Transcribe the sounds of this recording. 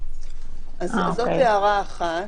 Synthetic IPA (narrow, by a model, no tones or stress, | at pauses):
azzoteaʁaːχa